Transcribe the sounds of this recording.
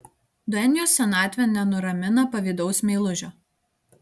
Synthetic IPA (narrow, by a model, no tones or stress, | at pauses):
d̪ɔɛnʲɪjoːsːʲɛnɑːt̪ʲʋʲɛnʲɛnʊɾɐmʲɪnɐpɐʋʲiːd̪ɒʊsmʲeːlˠʊʒʲoː